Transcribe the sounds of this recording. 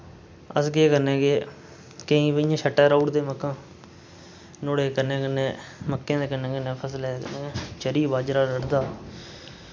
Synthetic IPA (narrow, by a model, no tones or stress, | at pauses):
əsɡeːkəɾnẽːɡeː | kəĩːʋəijãːʃʰəʈːɛːɾauːɽd̪eːməkːãː | noːɽeːkəɾnẽːkənẽːməkːẽːd̪eːkənẽːkənːẽːpʰəslɛːkə̰ẽːt͡ʃəɾiːbaːd͡ʒɾaːɾəɽd̪aː